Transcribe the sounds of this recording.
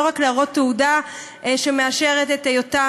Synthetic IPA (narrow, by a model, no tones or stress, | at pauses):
oʁakleaʁo̞tːeuda | ʔʃemeaʃe̞ʁetetejota